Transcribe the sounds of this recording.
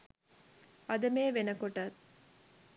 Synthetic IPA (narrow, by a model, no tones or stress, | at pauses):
ʔɐd̪ɐmeːʋenɐkoʈɐt̪